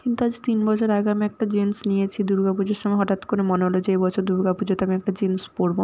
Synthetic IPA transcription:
kint̪uad͡ʑit̪inbɔt͡ɕʰoɾaɡamiɛk̚ʈad͡ʑensnijet͡ɕʰid̪uɾɡapud͡ʑeɾʃɔŋɡeɦɔʈat̪koɾemoneɦolod͡ʑeebɔt͡ɕʰoɾd̪uɾɡapud͡ʑot̪amiɛk̚ʈad͡ʑenspoɾbo

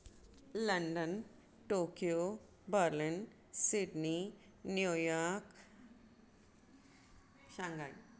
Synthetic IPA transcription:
lɐɳɖən | ʈoːkijo | bəɾlin | siɖni | njujaɾk | ɕãŋɡaj

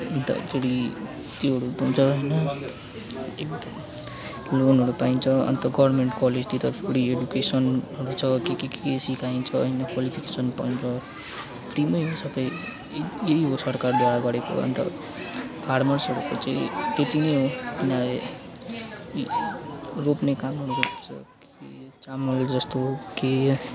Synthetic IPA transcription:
ʌnt̪ʌ̰pʰeɾi | t̪iɦʌɾupuunt͡sʰʌʌjnʌ | ek̚d̪ʌm | lonɦʌɾupaint͡sʰʌʌ̰nt̪ʌɡʌbrmeɳʈkʌled͡zt̪it̪ʌpʰeɾieɖukesʌnɦʌɾut͡sʰʌkekekesikʰaint͡sʰʌʌ̰jnʌkwalipʰikesʌnpaint͡sʰʌ | pʰɾimʌjɦosʌbʌj | jeiɦosʌɾkard̪eɾaɡʌɾeko̰ʌ̰nt̪ʌ̰ | pʰarmʌrsɦʌɾuko̰t͡saĩt̪et̪inʌjɦot̪inãle | ropnekamɦʌɾuɾupt͡sʰʌ̰k | et͡samʌɾud͡zʌst̪oke

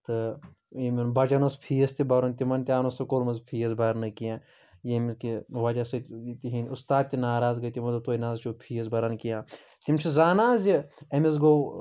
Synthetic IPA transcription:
t̪ɨ | emɐnbɐd͡ʒɐnospʰiːɐst̪ibɐɾont̪imɐnt̪ʲaːnosɐkolmɐzpʰiːɐsbɐɾnɨkijãː | jemiskiʋɐd͡ʒɐsɐt̪iɦinʲust̪aːd̪̚t̪inaːɾaːzɡɐjt̪imɐt̪ɐt̪oːjinaːzt͡ʃʰopʰijɐs̬bɐɾɐnkijãː | t̪imʲt͡ʃʰizaːnaːziɐmis̬ɡo

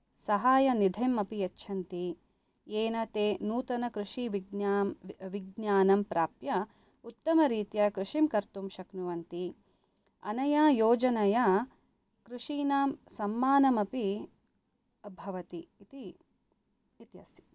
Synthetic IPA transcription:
sɐɦaːjɐnid̪ʱɐmɐpijɐt͡ʃːʃʰɐnt̪i | eːnɐt̪eːnuːt̪ɐnɐkɾuʂiʋiɡ | ʋiɡnaːnɐmpɾaːpjɐ | ut̪ːɐmɐɾiːt̪jɐkɾuʂimkɐɾt̪umʃɐknuʋɐnt̪i | ɐ̰nɐjaːjoːd͡ʒɐnɐjɐ | kɾuʂiːnaːmsɐmːaːnɐmɐpi | ɐbʱɐʋɐt̪iːt̪i | t̪iɐ̰si̥

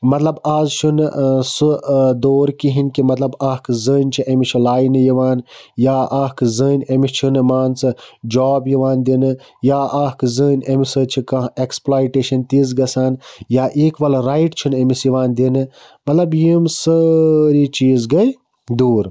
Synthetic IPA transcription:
mɐt̪lɐbaːzt͡ʃʰunsɨd̪oːɾkiɦinkimɐt̪lɐbaːhkɨzəːnʲt͡ʃʰiʔemit͡ʃʰilaːjnɨjiʋaːnjaːʔaːɦkɨzəːnʲemist͡ʃʰunɨmaːnt͡sɨd͡ʒɔːbjiʋaːnd̪inɨ | jaːaːhkzəːnʲemisət͡ʃʰikɐ̃ɦeksplaːjʈeʃɐnt̪izɡɐsaːnjaːʔeːkʋɐlɾaiʈt͡ʃʰunemisjiʋaːnd̪inɨ | mɐt̪lɐbjimsəɾit͡ʃiːzɡɐj | d̪uːɾ

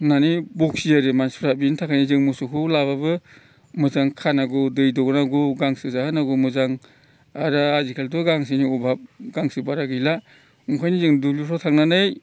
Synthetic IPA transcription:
nanibuk̚sijaɾemanspʰɾabintʰakʰajnizɯŋmusukʰulaβabɯ | mɯzaŋkʰanaɡudɯjdɔɡnaɡuɡaŋsɯzahɯnaɡumɯzaŋ | aɾaːzikʰeltɔɡaŋs̬iniubab̚ɡaŋsɯbaɾaɡila | uŋkʰajnizɯŋdulipʰɔtʰaŋnanɯj

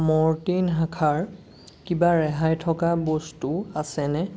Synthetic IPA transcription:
mɔɹtinɦakʰaɹ | kibaɹɛɦajtʰɔkabɔstuasɛnɛ

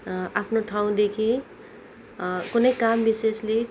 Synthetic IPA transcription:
apʰnoʈʰaũd̪ekʰi | kunʌjkambisesle

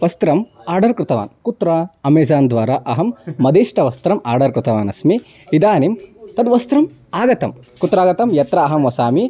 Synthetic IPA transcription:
ʋɐst̪ɾɐmaːɾɖɐɾkɾɪt̪ɐʋa̰ːnkut̪ɾɐɐmeːd͡ʒaːnd̪ʋaːɾaʔɐɦɐmːɐd̪eːʂʈɐʋɐst̪ɾɐma̰ːɾɖɐɾkɾɪt̪ɐʋaːnɐsmi | id̪aːnimt̪ɐd̪ʋɐst̪ɾɐm | aːɡɐt̪ɐm | kut̪ɾaːɡɐt̪ɐmjɐt̪ɾɐːɦɐmʋɐsaːmi

